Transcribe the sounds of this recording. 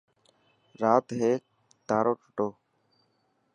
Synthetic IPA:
ɾaːt̪ɦeː | t̪aːɾoːʈə̥ʈoː

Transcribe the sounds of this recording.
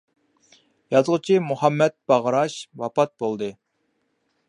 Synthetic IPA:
jɑzʁət͡ʃʰimuhɑmːɛt̪̚b̥ɑʁəɾɑʃwɑpɑt̪̚bolˠd̪ɨ

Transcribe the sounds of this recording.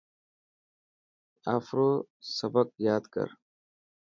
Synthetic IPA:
aːfɾoː | sɐbək̚jaːd̪kə̰ɾ

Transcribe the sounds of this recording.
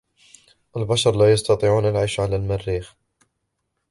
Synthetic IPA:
ʔalbaʃɑɾˤlajɑst̪ɑt̪ˤiːʕuːnalʕiːʃʕalalmarːiːx

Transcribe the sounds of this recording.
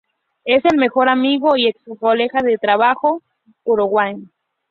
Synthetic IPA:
e̞se̞lme̞xo̞ɾamiɣoieksukolexaðet̪ɾaβaxo | uɾuɣwajn

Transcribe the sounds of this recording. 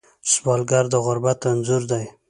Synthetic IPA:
sbɑlɡaɾd̪aʁʊɾbat̪anzuɾd̪aj

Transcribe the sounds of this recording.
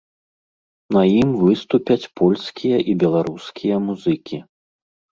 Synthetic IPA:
nɐjimvɨst̪upʲɐt͡sʲpʰɔlʲskʲijɐʔibʲɛlˠaɾuskʲʰijɐmuzɨkʲʰi

